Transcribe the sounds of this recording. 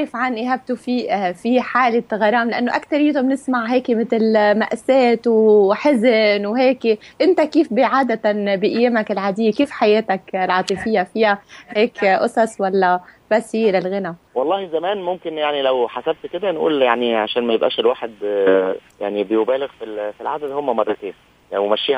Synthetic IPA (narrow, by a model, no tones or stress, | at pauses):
ɾˤɪfʕanʔɪɦaːb̚t̪ufiːfiħaːlɪt̪ɣɑɾˤɑːmlɪʔanːoʔakt̪ɑɾˤjiːt̪umnɪsmaʕɦeːkmɪt̪lma̰ʔsːeːt̪wħɪzɪnwɦeːkʔɪnt̪akiːfbɪʕaːd̪at̪abɪʔɪjːeːmakɪlʕaːd̪ɪjːekiːfħajeːt̪aklʕɑːt̪ˤɨfɪjːafɪjaheːkʔosˤɑsˤwalːæ | b̥æshiːlɪlɣɪnæ | wɑlˤːɑːhizæmæːnmomkɪnjaʕnilæwħasæb̚t̪ked̪ænʔṵːljaʕniʕaʃæːnmæjɪbʔæ̰ːʃelwaːħed̪ | ja̰ʕnibejobæːlɪɣfilfilʕad̪æd̪homːæmɑrˤːɑt̪eːn | wmæʃːiːh